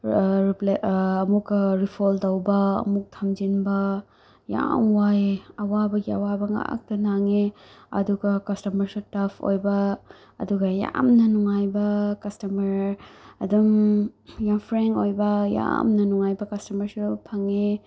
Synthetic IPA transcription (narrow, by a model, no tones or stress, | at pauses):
ɾipleɐmukɾipʰoldɐwbɐ̰ːmuk̚tʰɐmd͡ʒinbɐ | ja̰mwajɐwabɐɡiɐwabɐŋa̰k̚tɐnaŋeɐ̰duɡɐkɐstɐmɐɾsutɐpʰo̰jbɐ | ɐ̰duɡɐja̰mnɐnuŋajbɐkɐstɐmɐɾɐdum | jampʰɾenojbɐja̰mnɐnuŋajbɐkɐstɐmɐɾsupʰaŋe